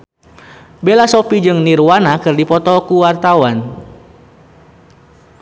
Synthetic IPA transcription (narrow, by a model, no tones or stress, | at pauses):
belasopid͡ʒɨŋnirwanakɨrdipɔt̪ɔkuwart̪awan